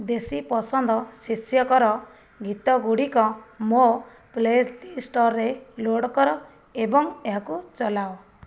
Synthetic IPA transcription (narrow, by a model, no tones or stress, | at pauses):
d̪esipɔsɔnd̪ɔsisjɔkɔɾɔ | ɡit̪ɔɡuɽikɔmo | pled͡ʒlisʈɔɾːeloɽkɔɾɔ | ebɔŋeɦakut͡ʃɔlao